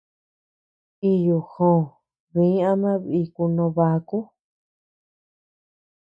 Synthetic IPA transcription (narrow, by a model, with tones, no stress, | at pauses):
i˧ju˨xõː˨ | βĩ˨˦ã˦mã˦βi˧ku˧nõ˧βa˧ku˦